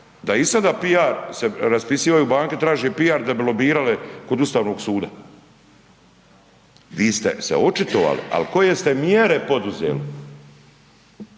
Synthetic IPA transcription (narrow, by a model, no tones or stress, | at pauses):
d̪aisad̪apiaɾseɾaspisiːʋajubaːŋket̪ɾaːʒepiaɾd̪abilobiːɾalekod̪ust̪aːʋno̞ɡsuːd̪a̰ | ʋiːst̪ḛsḛo̞t͡ʃit̪oʋa̰lḭa̰lko̞je̞st̪emjeɾepo̞d̪uzḛːli